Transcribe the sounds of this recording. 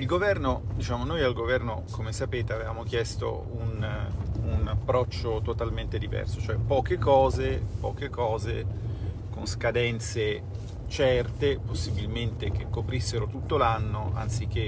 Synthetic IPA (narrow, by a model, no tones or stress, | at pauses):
ilɡovɛrnod̪it͡ʃaːmonojalɡovɛrnokomesapeːt̪eavevaːmok̟jɛst̪o̰ | un | unapːɾɔt͡ʃːot̪ot̪alment̪ed̪ivɛ̰rsot͡ʃoɛpɔːkekɔːzepɔːkekɔːzḛ | konskad̪ɛnt̪se | t͡ʃɛrt̪eposːibilment̪ek̟ekːopɾisːeɾot̪ut̪ːolanːo̰ʔa̰nt̪sik̟ːe